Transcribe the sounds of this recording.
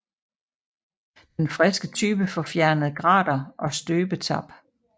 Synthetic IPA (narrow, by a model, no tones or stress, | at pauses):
d̥enfʁɛsɡ̥ət͡sʰyːb̥əfɒ̽fjæɐnəð̩ˠɡ̥ʁɑ̰̈ːd̥ɐʔɒ̽sd̥øːb̥ət͡sʰɑ̰b̥